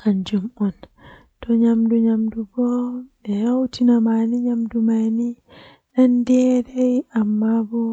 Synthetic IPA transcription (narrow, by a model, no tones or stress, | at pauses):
ʔand͡ʒumɔn | tɔɲamduɲamdubɔɗɛɾawtinamaniɲamdumani | ɗandɛɾɛjʔamːabɔ